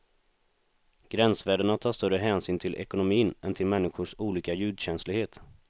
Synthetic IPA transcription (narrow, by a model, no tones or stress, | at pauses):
ɡ̥ɾɛnsvæːɖəɳat̪ʰɑːʂt̪œɾəɦɛːnsyːnt̪ʰɪlʔɛ̰kʊnʊmiːnɛnt̪ʰɪlmɛnːɪɧʊʂuːliːkajʉ̟ːd̪ɕɛnslɪɡheːt̪